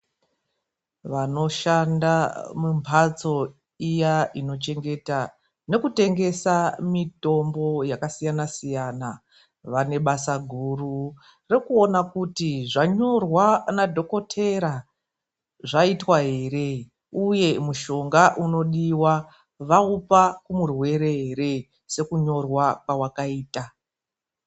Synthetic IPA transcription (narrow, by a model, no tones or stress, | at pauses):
ʋano̞ʃandamumpʰat͡so̞ | ijaino̞t͡ʃe̞ŋɡe̞ta | ne̞kute̞ŋɡe̞samito̞mbo̞jakasijanasijana | ʋane̞ɓasaɡʱuru | rekuo̞nakutiʐaɲo̞rwanadʱo̞ko̞tʰe̞ɾa | ʐaitwaɦe̞re̞ | uje̞muʃo̞ŋɡaʔuno̞ɗiwa | ʋaupakumurwe̞ɾe̞ɦere̞ | se̞kuɲo̞rwakwawakaiːta